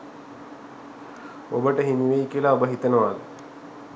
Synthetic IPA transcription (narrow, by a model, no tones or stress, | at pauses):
obəʈəɦiniʋeikiəlaobəɦit̪ənəʋad̪